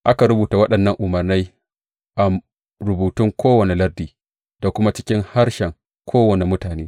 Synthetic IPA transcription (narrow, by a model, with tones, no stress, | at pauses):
ʔa˦ka˨ɾʊ˦buː˨ta˨wɐ˦ɗɐ˨nːɐ˦ŋʔʊ˨mɐ˨rna˦j | ʔa˨m | ɾʊ˨buː˨tʊ˦ŋkʰʷoː˦wɐ˨ne˨lɐ˦rdiː˨ | d̥a˨kʷʊ˦ma˦t͡ʃɪ̥˦kʲɪ˦ŋha˦ɾʃɛ˨ŋ | kʷʰoː˦wɐ˨ne˨mʊ˦taː˨neː˦